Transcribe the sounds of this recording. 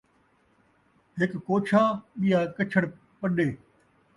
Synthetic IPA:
ɦɪkːoːt͡ʃʰaːɓijaːkɐt͡ʃʰəɽ | pɐɗeː

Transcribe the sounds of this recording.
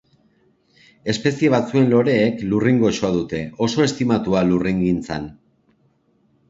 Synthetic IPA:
e̞spe̞sie̞β̞at͡sue̞nlo̞ɾe̞ːkluriŋɡo̞ʃoaðut̪e̞o̞so̞e̞st̪imat̪ualuriŋɡint͡sa̰n

